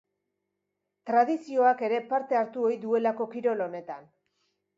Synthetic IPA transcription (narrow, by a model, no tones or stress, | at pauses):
t̪ɾaðisio̞ake̞ɾe̞paɾt̪e̞aɾt̪uo̞jðue̞lako̞kiɾo̞lo̞ne̞t̪an